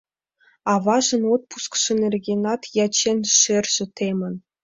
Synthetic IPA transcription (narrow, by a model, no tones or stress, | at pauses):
ɑʋɑʐɤ̆not̪̚pu̥skʂɤ̆nʲerʲɡʲenɑt̪jɑt͡ɕenʲʂɘ̆rʲʒɘ̆t̪ʲemʲɘ̆n